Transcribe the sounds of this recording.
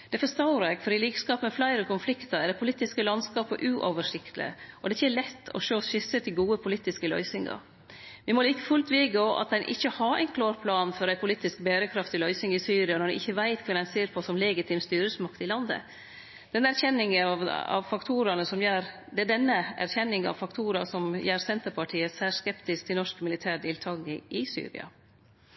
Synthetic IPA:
d̪̥ɛfɔst̪ɑʊɾɑkfɔɾɪliːkskɑːpəmɛflæɪɾəkʰʊnflɪkt̪əɾæd̪ɛpʰʊliːt̪ɪskəlɑnskɑːpəʔʉːʔoːʋəʂɪkt̪lɪ̰ə̰ʔɔd̪ɛɪçːəlɛt̪ːɔ̰ʃøːʃɪsət̪ʰɪlɡuːəpʰʊliːt̪ɪskəlœ̰ʏsɪŋɑ̰ɾ | ʋɪmɔliːk̪əfʉlt̪ʰʋɪːɡəɔʔɑ̰t̪̚d̪ɛnʔɪ̰çːəhɑɾæ̰ɪnkʰloːɾpʰlɑːnfɔɾæɪpʰʊliːt̪ɪsk̚bæːɾəkʰɾɑft̪ɪlœʏsɪŋɪsyːɾɪɑnɔɾd̪ɛ̰ʔɪçːəʋæɪt̪kʰʋɛːd̪æɪnseːɾpʰɔsɔmlɛːɡɪt̪ʰɪːmst̪yːɾəsmɑkt̪ɪlɑnd̪ə̰ | d̪̥ɛnːəæɾçɛnːɪŋəʋɑ̰ʋfɑkt̪ʰuːɾɑnəsɔmjæːɾ | d̪ɛæɖɛnːəæ̰ɾçɛnːɪŋɑ̰ʋfɑkt̪ʰuːɾɑsɔmjæːɾsɛnt̪əɾpʰɑʈʰiːəsæːʂkɛpt̪ɪsk̚t̪ʰɪlnɔʂkmɪlɪt̪ʰæːɖɪːlt̪ʰɑːɡɪ̰ɪsy̰ːɾɪ̰ɑ̰

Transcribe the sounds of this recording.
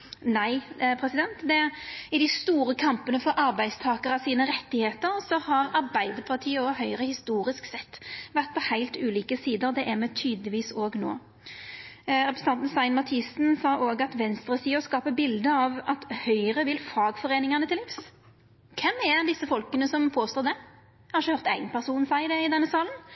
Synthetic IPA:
næɪpʰʁɛsɪd̪ɛnt̪d̪ɛɪd̪ɪst̪uːɾəkʰɑmpənəfɔɾʔɑɾbæɪd̪st̪ʰɑːkəɾɑsiːnəɾɛt̪ːɪheːt̪əɾsɔhɑɾɑɾbæɪd̪əɾpʰɑʁt̪ʰiːəoɦœʏɾəhɪst̪uːɾɪsksɛt̪ːʋæʁt̪̚pʰɔhæɪlt̪ʉːliːkəsiːd̪əɾd̪ɛʔæʁmɛt̪ʰyːd̪lɪʋiːsoːɡno̰ː | ʁɛpɾʁs̩ʰɑnt̪n̩sɑɪnmɑt̪ʰɪsnsɑːʔoːɡɑt̪ʋɛnst̪ʁəsiːɔskɑːpəbɪld̪əɑʋɑt̪hœʏəʁəʋɪlfɑːɡfɔʁeːnɪŋɑnət̪ɪlɪps | kʰɛmæd̪ɪsːəfɔlkənəsɔmpʰoːst̪oːd̪ɛ | hɑʃəhœːʁt̪æɪɡənpʰæʁsuːnsæɪd̪ɛɪd̪ɛnːəsɑːlən

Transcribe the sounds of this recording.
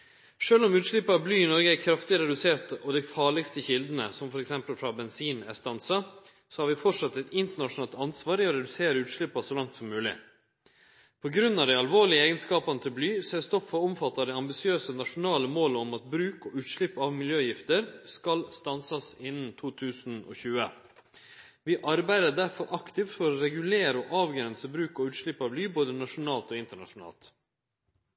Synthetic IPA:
ʂøːlɔmʉːt̪ʂɭɪpːɑblyːɪnɔɾɡəækʰɾɑft̪ɪɾɛd̪ʉseːt̪ɔd̪æɪfɑːɭɪɡst̪əçɪld̪ənə̰sɔmfɔɾɛksɛmpəlfɾɑbɛnsiːnæ̰st̪ɑnsɑ | sɔhɑːɾʋɪfɔʈʂɑt̪ːɛt̪ɪnt̪əɳɑʂʊnɑːlt̪ɑnsʋɑːɾɪɔɾɛd̪ʉseːɾəʉːt̪ʂɭɪpːɑsɔlɑŋt̪sɔmːʉːlɪ̰ | pʰɔɡɾʉnːɑʋd̪æɪɑlʋoːɭɪəeːɡənskɑːpɑnət̪ʰɪlblyːsɛst̪ɔpfɔʊmfɑt̪ːɑd̪æɪɑmbɪsɪøːsənɑʂʊnɑːləmoːləɔmɑt̪̚bɾʉːkɔʉːt̪ʃɭɪpːɑʋmɪljøːjɪft̪əɾskɑlst̪ɑnsɑsɪnn̩t̪ʰuːt̪ʰʉːsn̩ɔ̰çʉːə̰ | ʋɪʔɑɾbæɪd̪ədæɾfɔɾʔɑkt̪ɪft̪fɔɾɔɾɛɡʉleːɾəɔʔɑːʋɡɾɛnsəbɾʉːkɔʉːt̪ʂɭɪpːɑʋblyːboːd̪ənɑʂʊnɑːlt̪oːɪnt̪əɳɑ̰ʂʊnɑ̰ːlt̪

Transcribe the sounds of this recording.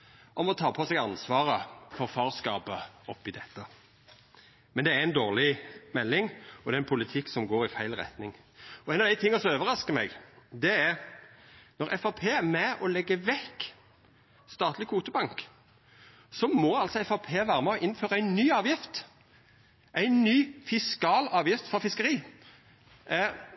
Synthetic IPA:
ʔɔmɔt̪ʰɑːpʰɔsɛɡɑnsʋɑːʁəfɔɾfɑːʁskɑːpəɔpːɪd̪ɛt̪ːə | mɛnd̪ɛæɾɪnd̪oːʁlɪmɛlːɪŋɔd̪ɛɛnpʰʊlɪt̪ʰɪkːsɔmɡoːɾɪfæɪlʁɛ̰t̪nɪŋ | ɔɛɪɑʋd̪æɪt̪ʰɪŋːɑsɔmøːʋəɾʁɑskəmɛɡd̪ɛɛʁ | nɔʁʔɛfɑpʰeːæmɛʔɔlɛɡːəʋɛkː | st̪ɑːt̪lɪkʰuːt̪ʊbɑŋk | sɔmɔɑlsɔɛfɑpʰeːʋæːɾəmɛɔʔɪnføːʁəæɪnːyːɑːʋjɪft̪ | ʔæɪnnyːfɪskɑːlɑːʋjɪft̪fɔʁfɪskəʁiː

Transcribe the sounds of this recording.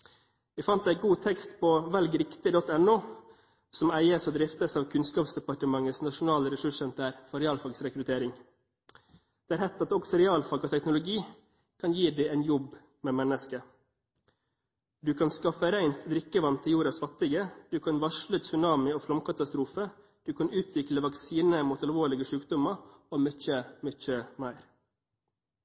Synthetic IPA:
ʋæɪfɑnt̪æɪɡuːt̪ʰɛkst̪pʰoʋɛlɡɾɪkt̪ɪd̪ɔt̪ɛnʊː | sɔmæɪəsɔːd̪ɾɪft̪əsɑːʋkʰʉnskɑːpsd̪ɛpɑʈəmɑŋəsnɑʂʊnɑːləɾɛsʉʂənt̪ʰæːɾfɔɾɛɑːlfɑɡsɾɛkɾʉt̪ʰeːɾɪŋ | d̪̥ɛːæːɾhɛt̪ːɑt̪ɔɡsɛɾɛɑːlfɑɡɔːt̪ʰɛknʊlʊɡiː | kʰɑnjiːd̪æɪæɪnjɔb | meːmɛnəskə | d̪ʉːkʰɑnskɑfəɾæɪnt̪d̪ɾɪkːəʋɑnt̪ʰɪjuːɾɑsfɑt̪ɪɡəd̪̥ʉːkʰɑnʋɑʂləsʉnɑːmɪoːflɑmkɑt̪ɑst̪ɾuːfə | d̪̥ʉːkʰɑnʉːt̪ʰʋɪkləʋɑksiːnəmuːt̪ɑlʋoːɭɪɡəʂʉːkd̪ʊmɑoːmœc͡çəmʏc͡çəmæɪɾ

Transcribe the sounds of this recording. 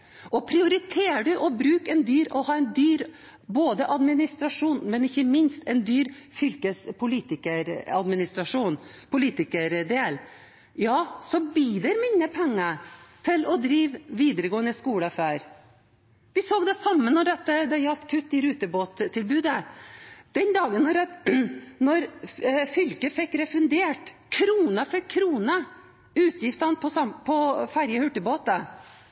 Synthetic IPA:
ʔɔpʰɾɪʊɾɪt̪ʰeːɖʉʔɔbɾʉːkɛnd̪yːɾɔhɑːɛnd̪yːɾ | boːd̪əʔɑd̪mɪnɪst̪ɾɑʂuːnmɛnɪçːəmɪnst̪ɛnd̪yːɾfʏlkəspʰʊliːt̪ɪkəɾɑd̪mɪnɪst̪ɾɑʂuːnpʰʊliːt̪ɪkəɾd̪eːl | jɑːsɔbyːd̪ɛɾmɪnːəpʰɛŋːət̪ʰɪlɔd̪ɾiːʋʋiːd̪əɾəɡoːənəskuːləɑfæːɾ | ʋɪsoːɡd̪ɛsɑmːənːɔɖɛt̪ːəd̪ɛjɑlt̪kʰʉt̪ːɪɾʉːt̪əboːt̪ʰːɪlbʉːd̪ə | d̪̥ɛnd̪ɑːɡənɔɾɛ | nɔɾfʏlkəfɛkːɾɛfʉnd̪eːʈkʰɾuːnəfɛkʰɾuːnə | ʉːt̪jɪft̪ɑnpʰɔsɑmpʰɔfæɾjəhʉʈːəboːt̪ə

